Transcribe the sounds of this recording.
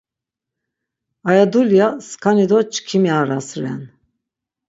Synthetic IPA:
ajad̪uljaskʰanid̪ɔt͡ʃʰkʰimiaɾasɾɛ̰n

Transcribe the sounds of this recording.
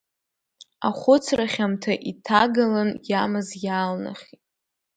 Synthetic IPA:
aχʷʊt͡sʰraχʲamtʰaʔitʰaɡalanjamɨzjaːlna̰χʲitʼ

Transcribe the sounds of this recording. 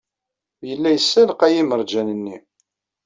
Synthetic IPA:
jəlːæjəsːælqæjiməɾˤd͡ʒænənːi

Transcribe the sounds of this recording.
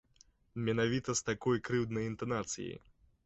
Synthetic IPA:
mʲɛnavʲit̪ɐst̪akɔjkɾɨwd̪nɐjint̪anat̪sɨ̰jḭ

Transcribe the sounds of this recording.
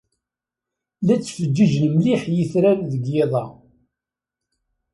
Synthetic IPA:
læt͡sːfəd͡ʒːəʒənmliħjəθɾænðəɡjeðˤɑ

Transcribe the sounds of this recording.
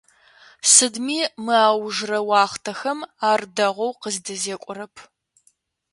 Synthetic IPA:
sɨdmiːmɨaːwʒrɐwɑːχtʰɐxɐmaːrdɐʁʷɔwqəzdɨzeːkʷʼʊɾɐpʰ

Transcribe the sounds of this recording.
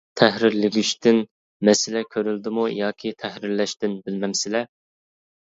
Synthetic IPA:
t̪ʰɛhɾɪɾlɪɡʲyʃt̪ɪn | mɛsɪlɛkʲʰøɾyld̪ɪmujɑːkʲʰit̪ʰɛhɾɪɾlɛʃt̪ɪnbɪlmɛmsɪlɛ

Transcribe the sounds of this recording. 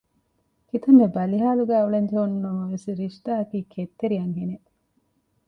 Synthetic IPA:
kit̪ɐmːebɐliɦaːluɡæːuɭɐɲd͡ʒɐɦunːɐmɐʋesiɾiʃt̪aːɐkiːkʰet̪ːeɾiɐŋɦene

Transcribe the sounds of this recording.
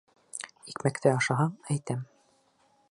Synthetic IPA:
ikmækt̪ɘɑʃɑɦɑɴæjt̪æm

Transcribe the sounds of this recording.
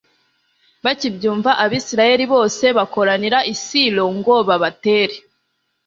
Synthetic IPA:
βacibɟuːɱvaʔaβiːsiɾaje̞ɾiβo̞ːse̞βako̞ɾaniɾaʔisilo̞ŋɡo̞βaβate̞ːɾe

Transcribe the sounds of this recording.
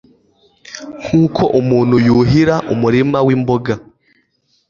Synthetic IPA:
ŋ̥ʰuːkʰo̞ʔumuːn̤ujuɦiɾaʔumuɾimawiːmboɡa

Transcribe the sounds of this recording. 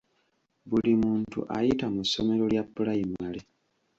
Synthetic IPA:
bulimuːntṵʔajitamusːo̞me̞ɾo̞ljapːulajimale

